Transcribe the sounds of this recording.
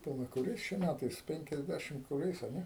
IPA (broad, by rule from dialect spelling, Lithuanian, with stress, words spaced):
pɐˈlˠɐ kʊˈrʲɛɪs t͡ʃʲɛ ˈmʲætɐɪs pʲɛŋʲkʲɛzʲˈdʲæʃʲɪm kʊˈrʲɛɪs ɐ ˈnʲɛ